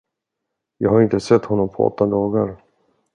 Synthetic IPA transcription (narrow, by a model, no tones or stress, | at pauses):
jɑ̰ːɡhaɾɪnt̪əsɛt̪ːhɔnːɔmpʰɔɔ̰t̪ːad̪ɑːɡaɾ